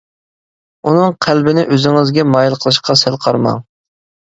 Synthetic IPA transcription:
unɨŋqʰælbɪnɪʔøzɪŋɪzɡʲɛmɑjilˠqʰəlˠɨʃqɑsælˠqʰɑɾmɑ̰ŋ

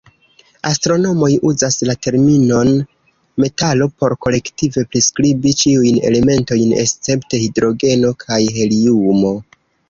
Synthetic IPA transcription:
astɾo̞no̞mo̞jʔuzaslate̞ɾmino̞n | me̞talo̞po̞ɾko̞le̞ktive̞pɾiskɾibit͡ʃiujne̞̰le̞me̞nto̞jne̞̰st͡se̞pte̞hidɾo̞ɡe̞no̞kʰajɦe̞liumo̞

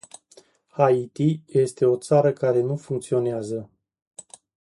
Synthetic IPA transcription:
hait̪ije̞st̪e̞o̞t̪saɾəkaɾe̞nufuŋk̚t̪sio̞neazə

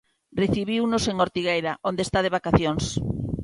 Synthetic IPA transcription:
reθiβiwnoseŋoɾt̪iɣejɾaʔond̪est̪að̞eβakaθjoŋs

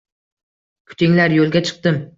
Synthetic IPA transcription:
kʰʊ̥t͡ʃ̪ʰɪŋlaɾjolˠɡʲat͡ʃʰɨ̥q̚t̪ɪm

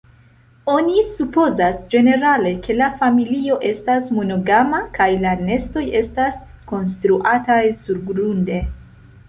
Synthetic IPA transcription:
o̞nisupo̞zasd͡ʒe̞ne̞ɾale̞kʰe̞lafamilio̞ʔe̞stasmono̞ɡamakajlane̞sto̞je̞stas | ko̞nstɾuʔatajsuɾɡɾunde̞

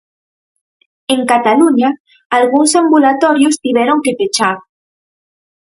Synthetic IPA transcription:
eŋkat̪aluɲaː | lɣuŋsambulat̪oɾjost̪iβeɾoŋkepet͡ʃaɾ

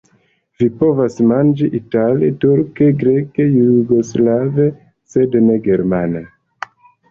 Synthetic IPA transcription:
vipo̞vasmand͡ʒiʔitaletuɾkeɡɾekejuɾuɡoslave | sedneɡe̞ɾmana

